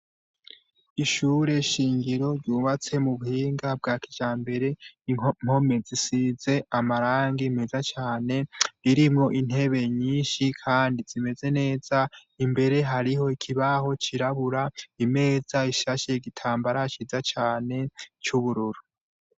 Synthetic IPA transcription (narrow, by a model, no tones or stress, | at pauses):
iʃuːɾe̞ʃiːŋɡiɾo̞ɾɟuːβat͡se̞muβuhiːŋɡab̚ɡaːkid͡ʒaːmbe̞ɾe̞m̥ho̞me̞zisize̞amaɾaːŋɡime̞zat͡ʃaːne̞ɾiɾimŋo̞ʔin̥he̞βe̞ɲiːnʃikʰaːndizime̞ze̞ne̞ːz̥a | imbe̞ɾe̞ɦaɾiɦo̞ikʰiβaɦo̞t͡ʃiɾaβuɾaime̞ːz̥aiʃaʃeɡitʰaːmbaɾat͡ʃizat͡ʃaːne̞t͡ʃuβuɾuɾu